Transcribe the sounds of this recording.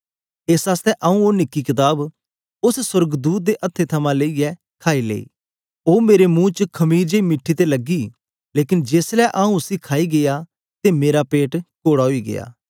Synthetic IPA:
eːsaːst̪ɛʔaːũonɪkːikɪt̪aːb | ʊsswəɾɡd̪uːt̪̚d̪eʔɐt̪ʰːet̪ʰɐmãleijɛ | kʰaːilḛːḭː | oːmeːɾemũːt͡ʃkʰɐmiːɾd͡ʒeimɪʈʰːit̪elɐɡiː | leːkɪnd͡ʒeːslɛʔaːũʊsikʰaːiɡeja | t̪emeːɾapeːʈkoːɽaɦoiɡḛja̰ː

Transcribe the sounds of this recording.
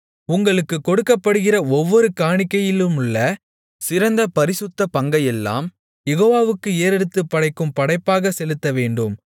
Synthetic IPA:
ʊŋɡɐɭɯkːɯkːɔɽɯkːɐpːɐɽɯɣɪrɐɔʋːɔɾɯkaːɳɪkːɐjɪlɯmʊɭːɐ | sɪɾɐnd̪ɐpɐɾɪsɯt̪ːɐpɐŋɡɐjɛlːa̰ːm | jɛɣoːʋaːʋɯkːɯeːɾɛɽɯt̪ːɯpːɐɽɐɪkːɯmpɐɽɐɪpːaːɣɐsɛlɯt̪ːɐʋeːɳɖɯm

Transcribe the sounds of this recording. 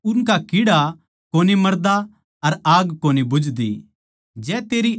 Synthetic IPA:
ʊnkakɪɽa | koːnimɐɾd̪a | ɐɾaːɡkoːnibʊd͡ʒd̪ḭ | d͡ʒɛːt̪eːɾi

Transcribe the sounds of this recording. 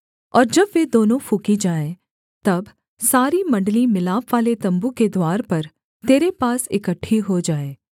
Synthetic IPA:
ɔːɾd͡ʒɐbʋeːd̪oːnõfukid͡ʒaːẽ | t̪ɐb | saːɾimɐ̃ɳɖəlimɪlaːpʋaːlet̪ɐ̃mbuked̪waːɾpɐɾ | t̪eːɾepaːsɪkəʈʰːiɦod͡ʒaːeː

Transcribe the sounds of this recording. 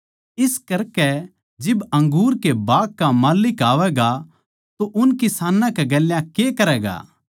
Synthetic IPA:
ɪskɐɾkɛ | d͡ʒɪbɐ̃ŋɡuːɾkebaːkːamaːlɪkaːʋɛɡa | t̪oʔʊnkɪsaːnãkeɡɐljãkekɐɾɛːɡa̰ː

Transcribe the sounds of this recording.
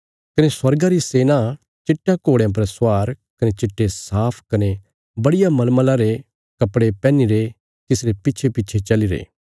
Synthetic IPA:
kɐneswɐɾɡaɾiseːnã | t͡ʃɪʈːakoːɽejãp̬ɐɾsaːɾkɐnet͡ʃɪʈːesaːpʰkɐne | bɐɽɪjamɐlməlãɾe | kɐpɽepɛ̃ːniɾe | t̪ɪsɾepɪːt͡ʃʰepɪːt͡ʃʰet͡ʃɐliɾḛː

